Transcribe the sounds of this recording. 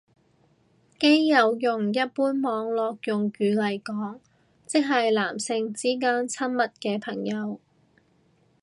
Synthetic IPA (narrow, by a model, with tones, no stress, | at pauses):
ke˥jːɐ˨˧wjʊ˨ŋjɐ˥t̚puː˥nmɔː˨˧ŋlɔː˨k̚jʊ˨ŋkyː˨˧lɐ˨˩jkɔː˨˥ŋ | t͡sɪ˥k̚ɦɐ˨jlaː˨˩msɪ˧ŋt͡siː˥k̬aː˥nt͡sʰɐ˥nmɐ˨t̚kɛː˧pʰɐ˨˩ŋjɐ˨˧w